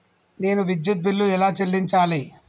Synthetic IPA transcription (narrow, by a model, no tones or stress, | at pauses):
ne̞ːnuʋid̪jut̪̚bilːuɛlaːt͡ʃelːiɲt͡ʃaːli